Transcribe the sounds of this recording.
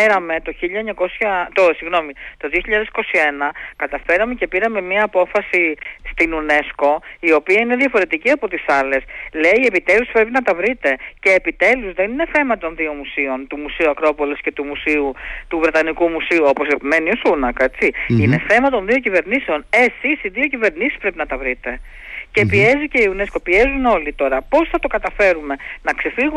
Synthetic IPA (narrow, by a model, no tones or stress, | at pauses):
eɾɐme̞t̪o̞çiʎɐeɲɐko̞sçɐt̪osiɣno̞mit̪o̞ðio̞çiʎɐðe̞si̥ko̞sie̞nɐkɐt̪ɐfe̞ɾɐme̞ce̞piɾɐme̞miɐːpo̞fɐsist̪inune̞sko̞io̞piɐine̞ðʝɐfo̞ɾe̞t̪iciɐpo̞t̪isɐle̞sleiie̞pit̪e̞luspɾe̞p̬inɐt̪ɐvɾit̪e̞ce̞ːpit̪e̞luzðe̞nine̞θe̞mɐt̪o̞nðio̞musio̞nt̪umusiuɐkɾo̞po̞lesce̞t̪umusiut̪uvɾe̞t̪ɐnikumusiuo̞po̞se̞pime̞niosunɐke̞t͡siine̞θe̞mɐt̪o̞nðio̞cive̞ɾnise̞o̞nesisiðio̞cive̞ɾnisi̥spɾe̞pinɐt̪ɐvɾit̪e̞ | ce̞piezice̞iune̞sko̞pie̞zuno̞lit̪o̞ɾɐpo̞sθɐt̪o̞kɐt̪ɐfe̞ɾume̞nɐkse̞fiɣu